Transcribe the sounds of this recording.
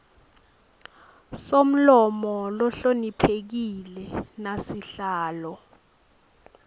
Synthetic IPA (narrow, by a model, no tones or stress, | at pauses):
som̩lɔmɔlɔɬonipʰek̬ilɛnasiɬaːlɔ